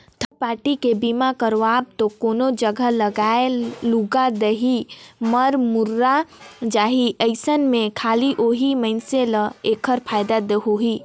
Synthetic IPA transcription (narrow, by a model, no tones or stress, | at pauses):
t̪ʰəpaːʈikebimakəɾʋab̚t̪okoːnod͡ʒəɡʱəɦləɡaeluɡad̪əɦiməɾmuɾːad͡ʒaːɦiʔəɪsənmekʰaːliʔoːɦiməɪnseləekʰəɾpʰajd̪ad̪eɦoɦi